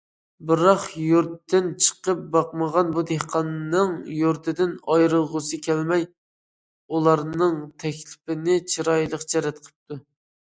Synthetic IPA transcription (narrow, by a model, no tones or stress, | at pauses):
bɨɾɑχjuɾt̪ːɪnt͡ʃʰə̥qəp̚bɑqməʁɑnbud̪ehqʰɑnːɨŋjuɾt̪ʰɪd̪ɪnɑjɾəlˠʁʊsɨkʲʰɛlmɛj | ulˠɑɾnɨŋt̪ʰɛkʲlɪpɪnɪt͡ʃʰiɾɑjlˠəqt͡ʃʰɛɾɛt̪qʰə̥p̚t̪u